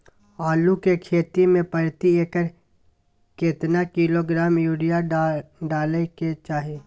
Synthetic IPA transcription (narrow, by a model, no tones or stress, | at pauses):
aːlukekʰeːt̪imẽpəɾt̪ieːkəɾ | keːt̪nakiloɡɾaːmjuːɽijaɖaːleket͡ʃaːɦeː